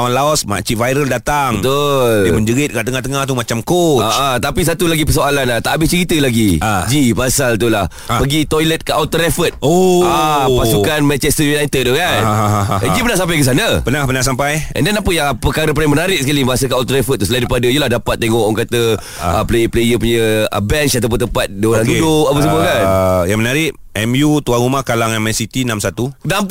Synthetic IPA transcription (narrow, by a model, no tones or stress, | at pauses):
wanlaɔsma̰t͡ʃivajɾəldat̪aŋət̪ulməɲd͡ʒəɡɪt̪̚kaʔt̪əŋaht̪əŋaht̪umat͡ʃamkoat͡ʃat̪apis̬at̪ulaɡipəsoalanat̪aʔabɪst͡ʃəɾit̪əlaɡid͡ʒipasalt̪ulah | pəɡit̪ɔjlət̪̚kəʔawt̪əɾɛfət̪̚oapasukanmɛ̃nt͡ʃɛst̪əjunajt̪ət̪̚ːukand͡ʒipənahsamp̬ajkəs̬anə̃pənahpənasampajʔɛ̰ndanapəjaŋpəkaɾəp̬aiŋmənaɾɪʔ̚səkaliməasəkaawt̪əɾɛfət̪̚ːusəlajdɾipadəijəlahdapat̪̚ːeŋɔʔŋkat̪ə | əplejəplejəpuɲə̃ə̰bɛnt͡ʃat̪awp̬ʊnt̪əmpat̪̚dəoland̪udʊʔapəsəməkanjaŋmənaɾɪʔ | ɛmjut̪uaŋɾumahkalaŋamɛ̃nsit̪inamsat̪unam